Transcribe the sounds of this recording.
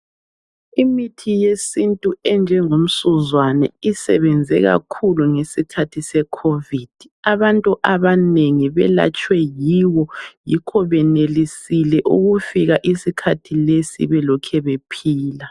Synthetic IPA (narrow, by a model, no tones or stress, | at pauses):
imitʰijesintʼuɛnd͡ʒʱɛŋom̩suzwanɛ̰isɛ̰βɛnd͡zʱɛɣa̰kʰuluŋesikʰatʰisɛkʰovid̥ʱiaβantʼuʔaβaneŋiβɛ̰la̰t͡ʃʼwɛjiwɔjikʰɔβɛnelisilɛʔṵɣufiɣaʔisikʰatʰilesḭβɛlɔkʰɛβepʰiːla